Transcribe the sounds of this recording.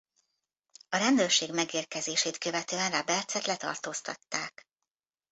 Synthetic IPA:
ɒɾɛnd̪øːrʃeːɡmɛɡeːrkɛzeːʃeːt̪kø̞vɛt̪øːɛnrabɛrt̪sɛt̪lɛt̪ɒ̰rt̪oːst̪ɒ̰t̪ːaːk

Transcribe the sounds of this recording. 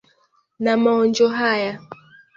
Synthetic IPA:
namaɔnd͡ʒɔɦaja

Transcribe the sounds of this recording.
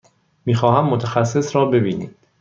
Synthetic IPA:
miːxɒːhæmːot̪ʰæxæsːe̞sɾɒːbe̞biːnḭːd̥

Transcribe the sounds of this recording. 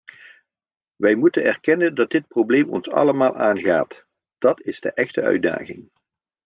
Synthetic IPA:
ʋɛjmutənɛrkɛnəndɑd̚dɪt̚problejmɔ̰nsɑ̰ləmaːlˠʔaːnɣa̰ːt | d̥ɑtɪzdə̰ʔɛχtəœ̰ɥda̰ːχɪ̰ŋ

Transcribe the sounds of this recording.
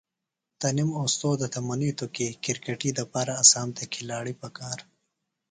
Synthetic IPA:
t̪ɐnimoːst̪oːd̪ət̪ʰɐmɐnit̪ukekɪɾkeʈid̪ɐpɑːɾaːsaːmt̪ekʰilaːɽipɐkaːɾ

